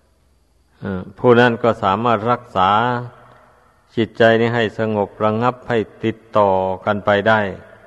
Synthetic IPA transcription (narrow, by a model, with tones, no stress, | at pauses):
ʔɯː˧˩pʰuː˧˩na˥˩nkɔː˧˩saː˨˩˦maː˧˥˩t̪̚ɾa˧˩k̚saː˩˦ | t͡ɕi˧˦˥t̪̚t͡ɕa˧jni˧˩ɦa˧˩jsa˧ŋo˧˦p̚ɾa˧ŋa˧˥˩p̚ha˧˩jt̪i˧˦t̪ːɔː˨˩ka˧npa˧jda˥˩j